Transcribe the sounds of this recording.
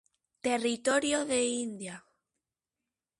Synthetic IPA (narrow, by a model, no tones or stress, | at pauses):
t̪erit̪oɾjoðeind̪ja